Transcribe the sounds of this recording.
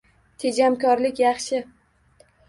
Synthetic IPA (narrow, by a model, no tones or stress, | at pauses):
t̪ʰed͡ʒamkʲʰɒɾlɪkʲjɑχʃɪ